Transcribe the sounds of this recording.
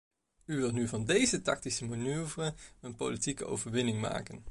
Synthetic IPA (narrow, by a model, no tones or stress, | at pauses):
yʋɪlˠtnyvɑndejzətɑ̰k̚tisəmanyːvrəənpo̰litikəo̰wvəɹʋɪnɪŋma̰ːkən